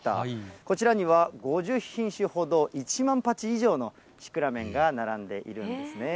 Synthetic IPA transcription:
t̪a̰ko̞t͡ɕiɾaɲ̟iβaɡo̞ʑɨçĩɰ̃ɕɨho̞d̪o̞ʔit͡ɕimãmpat͡ɕiːʑo̞ːno̞ | ɕi̥kɯ̟ɾamẽ̞ŋɡanaɾãnd̪e̞ʔḭɾɯ̟̰̃nd̪e̞sɨne̞

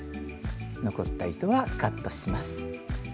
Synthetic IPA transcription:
no̞ko̞t̪ːait̪o̞βakat̪ːo̞ɕimasɨ̥

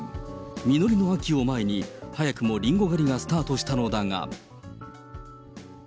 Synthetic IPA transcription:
mʲino̞ɾʲino̞akʲio̞maeɲ̟ihajakɯ̟mo̞ɾʲĩŋɡo̞ɡaɾʲiɡasɨ̥t̪aːt̪oɕi̥t̪ano̞d̪aŋa̰

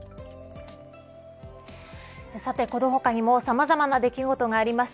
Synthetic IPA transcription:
sat̪e̞ko̞d̪oɦo̞kaɲ̟imo̞samazamanad̪e̞kʲiɡo̞t̪o̞ɡaːɾʲimaɕi̥

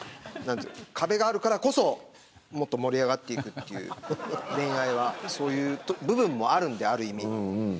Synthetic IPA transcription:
nãnt̪ɨ̰okʰabe̞ɡaːɾɯ̟kaɾako̞so̞ | mo̞t̪ːo̞mo̞ɾʲiaɡat̪ːe̞ikɯ̟t̪ːe̞jɯ̰ːd̪ẽ̞ɰ̃aiβaso̞ːjɯ̟ːt̪obɯ̟bɯ̟̃mːo̞aɾɯ̟̃nd̪e̞aɾɯ̟imʲi

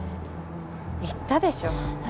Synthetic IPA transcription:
it̪ːad̪e̞ɕo

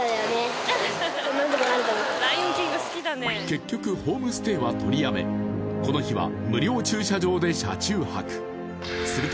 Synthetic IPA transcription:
jone | onãnd̪okoaɾɯkaokd̪aõkʲiɡasɨ̥kʲid̪aneke̞kʲːo̞kɯ̟ho̞ːmɯ̟sɨ̥t̪e̞ːβat̪ʰo̞ɾʲiame̞̰ko̞no̞çiβa̰mɯ̟ɾʲo̞ːt͡ɕɨːɕaʑo̞ːd̪e̞ɕa̰t͡ɕɨːha̰kɯ̟̥ | sɨɾɯ̟t̪

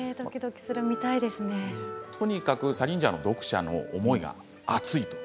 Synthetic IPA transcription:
d̪okʲid̪o̞kʲi̥sɨɾɯmʲit̪aid̪e̞sɨnet̪ʰo̞ɲ̟ikakɯ̟saɾʲĩɲ̟d͡ʑano̞d̪o̞kɯ̟̥ɕa̰no̞̰ːmo̞iɡa̰ | at͡sɨit̪o̥

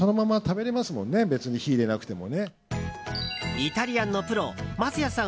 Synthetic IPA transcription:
o̞no̞mamat̪abe̞ɾe̞masɨmõ̞nːe̞be̞t͡sɨɲ̟içiːɾe̞nakɯ̟̥t̪e̞mo̞̰ne̞ | it̪aɾʲiãnːopɯ̟ɾo̞̰mat͡sɨjasã

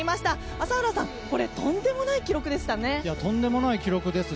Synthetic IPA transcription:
imaɕi̥t̪a | asaɯɾasãŋko̞ɾe̞t̪õ̞nd̪e̞mo̞naikʲiɾo̞kɯ̟d̪e̞sɨ̥t̪ane̞jat̪õ̞nd̪e̞mo̞naikʲiɾo̞kɯ̟d̪e̞sɨ

